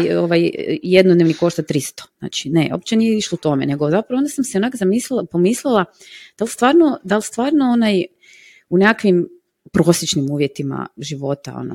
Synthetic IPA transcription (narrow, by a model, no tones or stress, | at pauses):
oʋajjed̪nod̪neʋniko̞ʃt̪at̪ɾist̪o̥zna̰ːt͡ʃi̥ne̞ʔo̞̰p̚t͡ɕenijeiʃlout̪o̞me̞̰ne̞ɡozapɾaʋoond̪asamseonaːkozamiːslilapo̞mislilˠa | d̪̥alst̪ʋaːɾnod̪alˠst̪ʋaːɾnoonaj | unekakʋim | pɾosjet͡ʃnimuːʋje̞t̪ima̰ʒiʋo̞t̪a̰o̰no̰